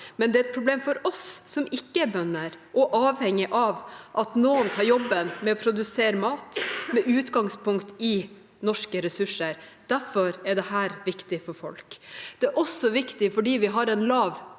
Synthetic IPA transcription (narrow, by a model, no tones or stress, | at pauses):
mɛnd̪ɛɾɛt̪̚pʰɾʊbleːmfɔɾɔsːɔmɪkːəɛɾbœnːəɾʔɔʔɑːʋhɛŋːɪʔɑʋʔɑt̪noːənt̪ʰɑːɾjɔbːənmɛɔpʰɾʊd̪ʉseːɾəmɑːt̪mɛʔʉːt̪ɡɑŋspʊŋkt̪ɪ | nɔʂkəɾɛsʉʂəɾd̪̥æɾfɔɾɛɖɛhæːɾʋɪkt̪ɪfɔɾfɔ̰lkd̪̥ɛæɾʔɔsɔʋɪkt̪ɪfɔɖiːʋɪɦɑɾɛnlɑːʋ